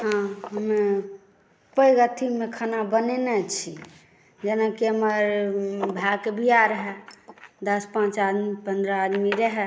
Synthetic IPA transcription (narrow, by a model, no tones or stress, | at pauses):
ɦãɦəme | pəiɡat̪ʰimːekʰanabənenɛt͡ʃʰi | d͡ʒenakeəməɾbʱakebʱiaɾəɦɛd̪əspãt͡ʃad̪mipə̃nd̪ɾəːd̪miɾəɦɛ